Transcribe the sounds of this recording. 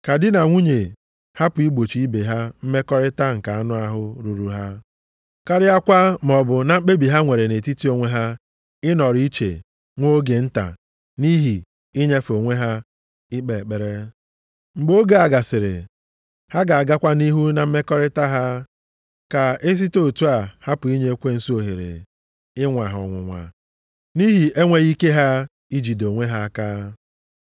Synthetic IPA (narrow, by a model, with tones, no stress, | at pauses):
ka˨dɪ˦na˨ŋʷu˦ɲe˨ | ha˦pʊ˨i˦ɡ͡bo˨t͡ʃi˨˦i˦be˨ɦa˦m̩˦me˦kɔ˦ɾɪ˦ta˦ŋ̩˨ka˨a˦nʊ˦a˦ɦʊ˦ɾu˨ɾu˨ɦa˦ | ka˦ɾɪ˦a˦kʷa˦m˨ɔ˨bʊ˨na˨m̩˦k͡pe˦bi˨ɦa˦ŋʷe˨ɾe˨ne˨ti˦ti˦o˨ŋʷe˦ɦa˦ | ɪ˦nɔ˨ɾi˦t͡ʃḛ˨ | ŋʷo˦ɡe˨n̩˦ta̰˨ | ni˦ɦi˨ | i˦ɲe˦fo˨ŋʷe˦ɦa˦ | ɪ˦k͡pe˨k͡pe˨ɾe˦ | ŋ͡m̩˨ɡ͡bo˦ɡa˨a˨ɡa˨sɪ˨ɾɪ̰˨ | ha˦ɡa˨a˨ɡa˦kʷa˦ni˦ɦu˦na˨m̩˦me˦kɔ˦ɾɪ˦ta˦ɦa˦ | ka˨e˦s̬i˦to˦˨tu˦a˨ha˦pʊ˨i˦ɲe˦kʷe˦n̩˨su˦o˨ɦe˨ɾɪ̰˨ | ɪ˦ŋʷa˨ɦɔ̰˨ŋʷʊ̰˨ŋʷa̰˨ | ni˦ɦi˨ʔe˦ŋʷe˦ɣi˦ke˦ɦa˦ | i˦d͡ʒi˨do˨ŋʷe˦ɦa˦kaː˦